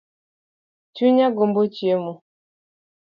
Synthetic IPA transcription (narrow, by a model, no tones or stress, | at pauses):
t͡ʃuɲaɡombot͡ʃiemo